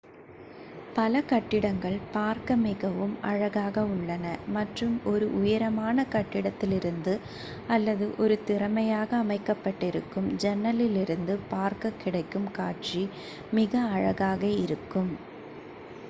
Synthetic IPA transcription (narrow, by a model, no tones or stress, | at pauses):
pɐlɐkɐʈːɪɽɐŋɡɐɭpaːɾkɐmɪɣɐʋɯmɐ̰ɻɐɣaːɣɐʊɭːɐnɐmɐʈrɯmɔɾɯʔʊjɐɾɐmaːnɐkɐʈːɪɽɐt̪ːɪlɪɾɯnd̪ɯ | ɐlːɐðɯʔɔɾɯt̪ɪɾɐmɐjaːɣɐːmɐɪkːɐpːɐʈːɪɾɯkːɯmd͡ʒɛnːɐlɪlɪɾɯnd̪ɯpaːɾkɐkːɪɽɐɪkːɯmkaːʈ̚t͡ʃi | mɪɣɐɐɻɐɣaːɣɐɪɾɯkːɯm